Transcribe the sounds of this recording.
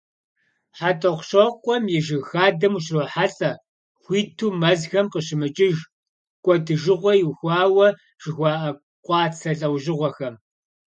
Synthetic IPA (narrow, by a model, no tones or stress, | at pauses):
ħatʼɐqʷɕoqʷʼɔmjɛʒɪxaːdɐmuɕroːħaɬʼɐ | xʷiːtʰuːmɐzxɐmqəɕɪmɨt͡ʃʼɪʒ | kʷʼɔdɨʒɪʁʷɔjwxʷɑːwɐ | ʒ̥ɪxʷɑːʔɐ | qʷʼɑːt͡sʰɐɬʼɐwʑɪʁʷɔxɐm